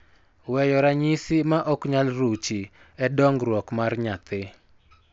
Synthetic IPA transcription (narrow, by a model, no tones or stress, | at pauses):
wɛjɔɾaɲisɪmaʔɔkɲalɾut͡ʃi | ɛdɔŋɡɾwɔkmarɲat̪ɪ